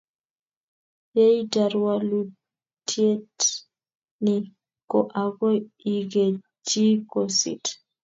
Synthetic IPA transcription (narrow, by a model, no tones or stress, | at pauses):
jɛjdaɾwalu | tʰiet | ni | kɔʔaɡɔiɡɛ | d͡ʒikosḭt